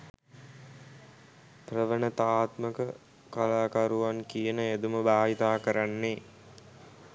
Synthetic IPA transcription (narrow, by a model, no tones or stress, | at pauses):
prəʋənət̪aːt̪məkə | kalaːkaɾuʋankijənəed̪uməbaːɦit̪aːkəɾanːe